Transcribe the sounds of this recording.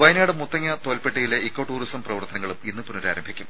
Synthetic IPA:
ʋɐjnaːɽɨmut̪ːɐŋːɐt̪olpeʈːɐjileikːo̞ʈːuːristɐmprɐʋɐrt̪ɐnɐŋːɐɭuminːɨpunoɾa̰ːɾɐmbʱikʲːum

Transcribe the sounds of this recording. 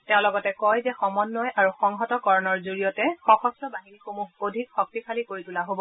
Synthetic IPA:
tɛʊ̃lɔɡɔtɛkɔjzɛxɔmɔnːɔjʔaɹuxɔŋɦɔtɔkɔɹɔnɔɹzoɹijɔtɛxɔxɔsɔbaɦinixomuɦodʱikxɔk̚tikʰalikoɹitulaɦobɔ

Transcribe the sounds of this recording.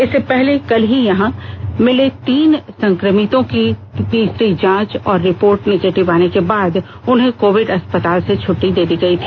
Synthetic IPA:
ɪsːepɛɦlekɐlɦijɐɦãmɪlet̪iːnsɐ̃ŋkɾəmɪt̪õkid̪iːsɾid͡ʒãːt͡ʃɔːɾːɪpoːɾʈnɛɡeːʈɪʋaːnekebaːd̪ | ʊnɦẽkoːʋɪɖɐspət̪aːlset͡ʃʰʊʈːid̪eːd̪iɡɐit̪ʰi̥ː

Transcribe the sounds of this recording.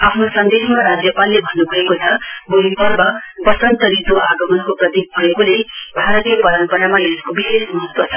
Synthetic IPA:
apʰnosʌnd̪eɦmaɾad͡zjʌpalːebʱʌnːubʱʌekot͡sʰʌboɦipʌrbʌpʌsʌnt̪ʌɾit̪oʔaɡʌmʌnkoprʌt̪ik̚bʱʌekolebʱaɾʌt̪ijʌpʌɾʌnpʌɾamajeskobisesmmuɦʌt̪wʌt͡sʰʌ̥

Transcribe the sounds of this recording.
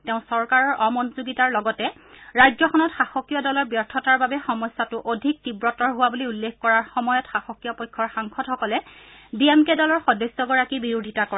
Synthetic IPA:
teʊ̃sɔɹkaɹɔɹʔɔmɔnuzuɡitaɹlɔɡɔtɛ | ɹajzɔxɔnɔtxaxɔkːijɔdɔlɔɹbjɔɹtʰɔtaɹbabɛxɔmɔjsːatʊʔodʱik̚tibɹɔtɔɹɦʊwabuliulːekkɔɹaɹxɔmɔjɔtxaxɔkːijɔpɔjkʰːɔɹxaŋkɔdxɔkɔlɛdiemkedɔlɔɹxɔdɔsːɔɡɔɹakibiɹudʱitakɔa

